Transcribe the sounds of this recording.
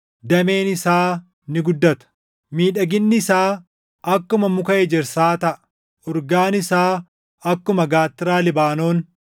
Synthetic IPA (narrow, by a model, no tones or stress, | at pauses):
d̪ɐme̞ːnɪsaː | nɪɡʊd̪ːɐt̪ɐ̥ | miːᶑɐɡɪnːɪɪsaː | ɐkːʊmɐmʊkɐʔɛd͡ʒɛɾsaːt̪ɐʔɐ̥ | ɔɾɡaːnɪsaː | ɐkːʊmɐɡaːt̪ːɪɾaːlɪbaːno̞ːn